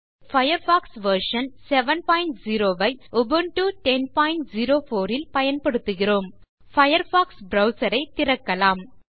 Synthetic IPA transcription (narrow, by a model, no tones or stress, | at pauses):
fɐjɐɾfaːksʋɐɾʂɐnsɛʋɐnpaːjɪɳʈziːɾoːʋɐɪɔbɐnʈuʈɛnpaːjɪɳʈziːɾoːfoːɾɪlpɐjɐnpɐɽɯt̪ːɯɣɪroːm | fɐjɐɾfaːksbɾɐʊsɐɾɐɪt̪ːɪɾɐkːɐlaːm